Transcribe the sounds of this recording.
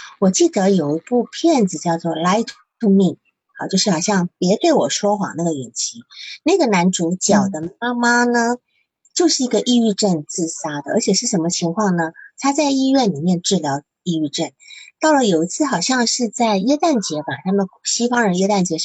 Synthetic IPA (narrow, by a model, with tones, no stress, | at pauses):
wɔ˨˩t͡ɕi˥˩d̪ə˧˦jo˨˩ʊi˧˥pu˥˧pʰjɛ˥˩nd͡zɹ̩˨˩t͡ɕjɑ˥˧ʊt͡swɔ˥˩la˥ɪt̪ʰtʰu˥mi˥˩ŋ | a˥˧˩t͡ɕjo˥˧ʂɻ̩˥˩xɑ˨˩ʊɕjɑ˥˩ŋpjɛ˧˥t̪e˥˩ɪwɔ˨˩ʂwɔ˥xwɑ̰˨˩˦na˥˩ɡə˩ɥɛ̰˨˩nt͡ɕʰi˧˥na˥˩ɡə˩na˧˥nt͡su˧˥t͡ɕjɑ˨˩ʊd̪ə˦ma˥ma˥nə˧ | t͡ɕjo˥˧ʊʂɻ̩˥˩i˧˥ɡə˧ʔi˥˧y˥˧ʈ͡ʂə˥˧nt͡sɹ̩˥˩sa˥d̪ə˨ə̰˧˥t͡ɕʰjɛ˨˩ʂɻ̩˥˩ʂə˧˥mə˧t͡ɕʰi˧˥ŋkʰwɑ˥˩ŋnə˩t̪ʰa˥t͡sa˥˧ɪi˥˧ɥɛ˥˩nli˨˩mjɛ˥˧nʈ͡ʂɻ̩˥˩ljɑ˧˥ʊ | i˥˧y˥˧ʈ͡ʂə˥˩nt̪ɑ˥˩ʊlə˩jo˨˩ʊi˧˥t͡sʰɹ̩˥˩xɑ˨˩ʊɕjɑ˥˧ŋʂɻ̩˥˧t͡sa˥˩ɪɥɛ˥t̪a˥˩nt͡ɕjɛ˧˥pa˨˩t̪ʰa˥mə˨n˩ɕi˥fɑ˥ŋɻə˧˥nɥɛ˥t̪a˥˩nt͡ɕjɛ˧˥